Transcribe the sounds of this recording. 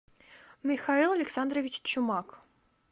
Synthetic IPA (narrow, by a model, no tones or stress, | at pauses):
mʲɪxailˠɐlʲɪksand̪ɾəvʲɪt͡ɕt͡ɕʊmak